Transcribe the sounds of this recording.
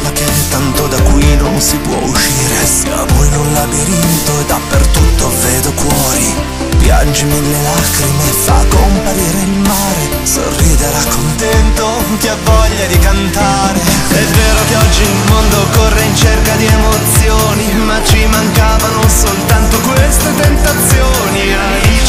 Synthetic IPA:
makːent̪ːant̪od̪akːwinonsipwɔ̰uʃːiːɾesia̰mɔjnunlːabeɾint̪oed̪apːert̪ut̪ːovɛːd̪okwɔːɾi | pja̰nd͡ʒimilelaːkɾimeːfːakːompaɾiːɾeilmaːɾe | so̰rːiːd̪eɾakʰːont̪ɛnt̪o | kiavːɔʎːad̪ikant̪aːɾe | ɛvːeːɾokeɔd͡ʒːinulmond̪okːorːeint͡ʃerkad̪iɛmot̪sjoːni | mat͡ʃːimaŋkaːvanonsolt̪ant̪okwest̪et̪ent̪at̪sjoːnia | i

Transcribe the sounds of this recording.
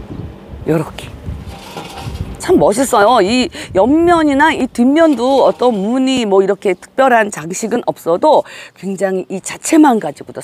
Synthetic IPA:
jʌɾʌkʰe̥ | t͡ɕʰamːʌɕ̬ʰis͈ʌjoijʌmːjʌɲinaitimːjʌnduʌt͈ʌnmuɲimwʌiɾʌkʰe̞tʰɯ̥k̚p͈jʌɾɦant͡ɕaŋɕʰiɡɯnʔʌp̚s͈ʌdokwe̞ŋd͡ʑaŋiʔːt͡ɕat͡ɕʰe̞manɡad͡ʑiɡodo

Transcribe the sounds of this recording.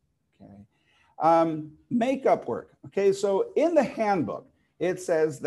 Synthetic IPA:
oʊkʰḛɪ | ʔʌ | meɪkʌpʰwɜ̰˞koʊkʰeɪsoʊɪ̃nðɨhæ̃nbʊ̰k | ɪtsɛzð

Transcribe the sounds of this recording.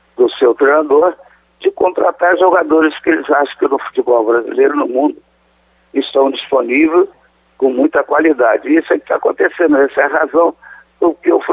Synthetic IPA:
d̪ʊsewt̪ɾejnad̪oɾ | d͡ʒɪkõnt̪ɾat̪aɾʒoɡad̪oɾɪskɪelɪzaʃɐ̃w̃kɪnʊfu̥t͡ʃibɔwbɾazḭlejɾʊnʊmũnd̪ʊ | ɪst̪ɐ̃w̃d͡ʒisponivejs | kõmũj̃t̪ɐkwalid̪ad͡ʒɪisʊɛkɪ̥t̪akõnt̪esẽnd̪ʊɛsɛɐɦazɐ̃w̃ | ʊkɪewf

